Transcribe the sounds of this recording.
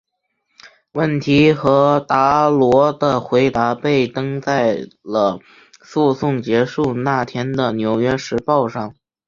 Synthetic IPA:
wə˥˩nt̪ʰi˧˥xɤ˧˥t̪a˧˥lwɔ˧˥d̪ə˧xwe˧˥ɪt̪a˧˥pe˥˩ɪt̪ɤ˥ŋt͡sa˥˩ɪlə˩ | su˥˧sʊ˥˩ŋt͡ɕjɛ˧˥ʂu˥˧na˥˩t̪ʰjɛ˥nd̪ə˨njo˧˥ʊɥɛ˥ʂɻ̩˧˥pɑ˥˧ʊʂɑ˥˩ŋ

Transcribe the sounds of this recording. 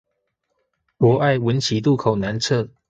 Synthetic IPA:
kwɔ˧˦ʔa˥˩˨ɪwə˨˦nt͡ɕʰi˨˦t̪u˥˨kʰo˨˩ʊna˧˦nt͡sʰɤ˥˨

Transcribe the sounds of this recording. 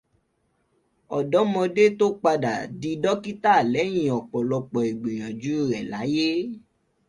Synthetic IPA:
ɔ˨dɔ˨˦mɔ̃˧de˦to˦k͡pa˧da̰˨di˧dɔ˦ki˦ta˦˨lɛ˨˦j̃ĩ˨ɔ˨k͡pɔ˨lɔ˧k͡pɔ˨e˨ɡ͡bĩ˨j̃ã˨d͡ʒu˨˦˨ɾɛ˨la˨˦je˦

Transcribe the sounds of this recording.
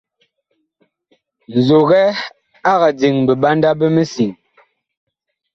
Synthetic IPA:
n̩˨zo˨ɣɛ˦ | a˦ɣa˨d͡zi˨ŋbə˨ɓa˦nda˦bə˦mə˦si˨ŋ

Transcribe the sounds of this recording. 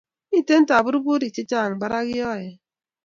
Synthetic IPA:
i˦˨te˦n̩˦ta˨bu˦ɾu˦bu˦ɾi˨t͡ʃi˦t͡ʃa˦˨ŋ̩˨ɡ͡ba˦ɾa˦ɣɪ˦jɔ˦˨jɪ˨

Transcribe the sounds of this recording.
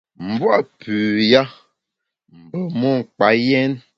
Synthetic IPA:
m̩˨bwa˦˨pʉ˨ja˦ | m̩˨bə˨mɔ˦˨ŋ̩˨k͡pa˨˦jɛ˦n

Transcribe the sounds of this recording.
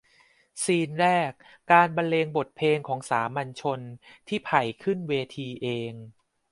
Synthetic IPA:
siː˧nɾɛː˥˩k̚ː | aː˧nba˧nleː˧ŋbo˨˩t̪̚pʰeː˧ŋkʰɔː˩˦ŋsaː˩˦mːa˧nt͡ɕʰo˧nt̪ʰiː˥˩pʰa˨˩jkʰɯ˥˩nweː˧t̪ʰiː˧ʔeː˧ŋ

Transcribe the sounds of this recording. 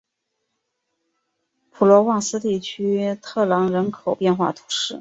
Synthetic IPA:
pʰu˨˩lwɔ˧˥wɑ˥˩ŋsɹ̩˥t̪i˥˩t͡ɕʰy˥t̪ʰɤ˥˩lɑ˧˥ŋɻə˧˥nkʰo˨˩ʊpjɛ˥˧nxwa̰˥˩t̪ʰu̥˧˥ʂɻ̩˥˩

